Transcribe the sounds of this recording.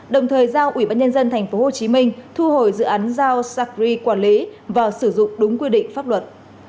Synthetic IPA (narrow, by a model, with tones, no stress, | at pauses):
ɗə˨˩wŋ͡mt̪ʰəː˨˩jzaː˧wʔwi˧˩ɓaː˧nɲə˧nzə˧nt̪ʰɛ˨˩jŋ̟fo˨˦ho˨˩t͡ɕi˨˦mï˧ŋ̟t̪ʰu˧ɦo˧˩jzɨ̰˧˨ʔaː˨˦nzaː˧wsaː˧˥k̚zi˧kwaː˧˩nli˨˦vaː˨˩sɨ˧˩zʊ̰˧˨ŋ͡mɗʊ˨˦ŋ͡mkwi˧ɗḭ̈˧˨ŋ̟faː˦˥p̚lə˨˩t̚